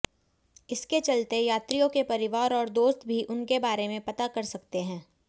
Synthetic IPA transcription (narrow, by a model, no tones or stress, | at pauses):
ɪsket͡ʃɐlt̪ejaːt̪ɾijõkepɐɾɪʋaːɾɔːɾd̪oːst̪bʱiʔʊnkebaːɾemẽpɐt̪akɐɾsɐkt̪eɦɛ̃ː